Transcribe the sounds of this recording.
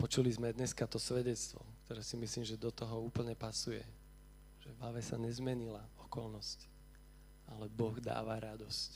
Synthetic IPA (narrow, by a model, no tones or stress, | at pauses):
pɔt͡ʃulizmɛd̪ɲɛskat̪ɔsʋɛɟɛt͡st̪ʋɔ̰kt̪ɔɾɛːsimisliːmʒɛd̪ɔt̪ɔɦɔuːpl̩ɲɛpasujɛ̰ | ʒ̥ɛvlaʋɛsaɲɛzmɛɲilaɔkɔlnɔsc | alɛbɔɣd̪a̰ːʋaɾad̪ɔsc